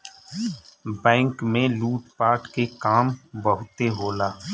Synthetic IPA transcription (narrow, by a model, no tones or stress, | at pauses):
bɛ̃ːŋkmẽluːʈpaːʈkekaːmbəɦʊt̪eɦoːlaː